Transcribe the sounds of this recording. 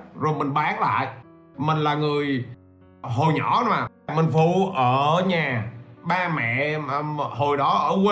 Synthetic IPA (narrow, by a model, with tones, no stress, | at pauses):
zo˨˩jmï˨˩ŋ̟ɓaː˨˦ŋla̰ː˧˨j | mï˨˩ŋ̟laː˨˩ŋɨ˨˩əj | ɦo˨˩jɲɔ̰˧˩˦maː˨˩ | mï˨˩ŋvu˧˨ʔəː˧˩ɲaː˨˩ɓaː˧mɛ̰˧˨ | ho˨˩jɗɔ˨˦ʔəː˧˩kw